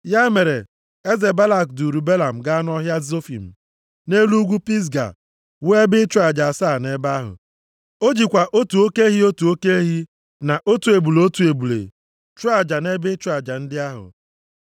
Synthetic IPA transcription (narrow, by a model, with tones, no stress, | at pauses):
ja˦me˨ɾe˨ | e˦ze˨ba˦la˨kdu˨ɾu˨be˦la˨m̩˨ɡa˦a˦n˦ɔ˦ɦja˦zo˦fḭ˨m̩˨ | ne˦lu˦ɡʷu˦pi˦s̬ɡa̰˨ | we˦bɪ˦t͡ʃu˦a˨d͡ʒa˨a˨sa˦˨ne˦ba˦ɦʊ̰˨ | o˦d͡ʒi˨kʷa˨ʔo˦tu˨o˦ke˦ɦi˦o˦tu˨o˦ke˦ɦi˦ | na˨ʔo˦tu˨e˨bu˨lo˦tu˨e˨bu˨lḛ˨ | t͡ʃu˦a˨d͡ʒa˨ne˦bɪ˦t͡ʃʊ˦a˨d͡ʒa˨n̩˦dɪ˦a˦ɦʊ̰˨